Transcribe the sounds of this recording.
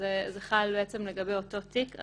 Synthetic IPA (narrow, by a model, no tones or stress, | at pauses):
ezeχalbeet͡semleɡabe̞jo̞to̞tika̰